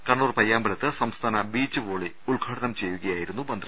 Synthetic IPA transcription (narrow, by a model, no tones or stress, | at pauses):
kɐɳːuːrpɐjːaːmbɐɭɐt̪ːɨsɐmst̪ʰaːnɐbiːt͡ɕːɨʋoːɭi | uɭɡʱaːɽɐnɐmt͡ɕe̞jːuɣɐjaːjiɾunːubɐnd̪ʱrɐ